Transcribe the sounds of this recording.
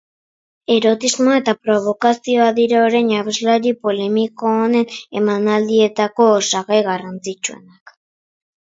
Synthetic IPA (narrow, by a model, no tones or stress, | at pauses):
e̞ɾo̞t̪izmoae̞t̪apɾo̞β̞o̞kasio̞aðiɾaoɾeɲaβezlaɾipo̞le̞miko̞ːne̞ne̞manald̪ie̞t̪ako̞ːsaɣajɣarant͡sit͡ʃue̞̰nak